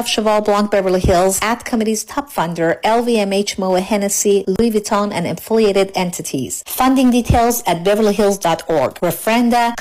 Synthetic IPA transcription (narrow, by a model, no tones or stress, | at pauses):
fʃəvɑlˠblɑ̃ŋk̚b̥ɛvə˞lˠihɪlˠzætkʰəmɪɾiz̥tʰɑpfʌ̃ndə˞ɛlˠviɛ̃meɪt͡ʃmoʊəhɛnɨsiluivɨtʰɔ̃nɨ̰̃nɨ̰̃ɱfɪlˠieɪɾɨɾɛ̃ntʰɨɾʰḭz̥fʌ̃ndɪ̃ŋditʰeɪlˠzɨt̚bɛvə˞liɦɪlˠzdɑtɔ̰ɹɡ̥ɹɨfɹɛ̃ndə